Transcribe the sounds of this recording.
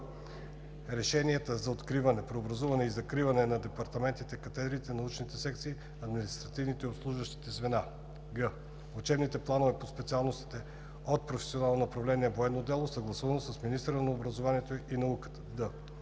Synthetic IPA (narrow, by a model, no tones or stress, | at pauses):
ɾɛʃɛniɛt̪əzɐot̪kɾivɐnɛpɾɛobɾɐzuvɐnɛizɐkɾivɐnɛnɐd̪ɛpɐɾt̪ɐmɛnt̪it̪ɛkɐt̪ɛd̪ɾit̪ɛnɐut͡ʃnit̪ɛsɛkt̪siː | ɐd̪minist̪ɾɐt̪ivnit̪ɛiopslˠuʒvəʃt̪i̥t̪ɛzvɛna | ɡə | ut͡ʃɛbnit̪ɛplˠanovɛpospɛt̪sialˠnost̪i̥t̪ɛ | ot̪̚pɾofɛ̥sionalˠnonɐpɾɐvlɛniɛvoɛd̪nod̪ɛlˠosɐɡlˠɐsuvɐnosəsminist̪əɾənɐobɾɐzovaniɛt̪oinɐukət̪ə̥d̪ə